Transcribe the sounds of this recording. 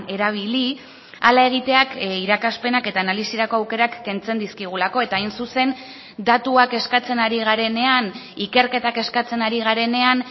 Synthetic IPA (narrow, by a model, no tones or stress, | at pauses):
e̞ɾaβ̞ili | alae̞ɣ̞it̪e̞akiɾakaspe̞nake̞t̪aːnalisiɾako̞awke̞ɾakːe̞nt͡se̞nd̪iskiɣ̞ulako̞e̞t̪aːajnsuse̞n | d̪at̪uake̞skat͡se̞naɾiɣaɾe̞ne̞anike̞ɾke̞t̪ake̞skat͡se̞naɾiɣ̞aɾe̞ne̞an